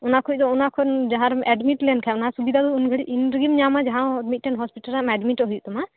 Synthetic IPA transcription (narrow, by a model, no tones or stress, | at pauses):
ɔnakʰud̪ɔɔnakʰɔd͡ʒaɦãɾɛɖmiʈlɛnkʰɛnasubid̪ad̪ɔunɡʱəɽiʔinɡimɲamad͡ʒaɦãmit̪̚ʈɛnɦɔspiʈəlamɛɖmiʈɦujuʔt̪ɔma